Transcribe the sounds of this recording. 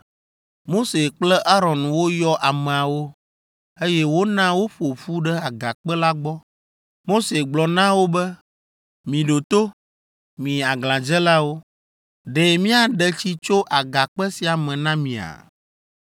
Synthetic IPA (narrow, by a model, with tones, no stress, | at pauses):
mo˦se˨k͡plɛ˦ʔa˦ɾɔ˨nwo˦jɔ˦ʔa˨mɛ̃˨a˨wo˦ | e˦jɛ˦wo˦nã˦wo˦ɸo˨fu˦ɖɛ˦a˨ɡa˨k͡pɛ˦la˦ɡ͡bɔ˦ | mo˦se˨ɡ͡blɔ˨nã˦wo˦bɛ˦ | mĩ˨ɖo˨t̪o˦ | mĩ˨a˨ɡlã˨d͡ʒɛ˦la˦wo˦ | ɖɛ˨mĩ˦a˨ɖɛ˦t͡ɕi˦t͡ʃo˦ʔa˨ɡa˨k͡pɛ˦si˨a˨mɛ̃˨nã˦mĩ˨a̰˨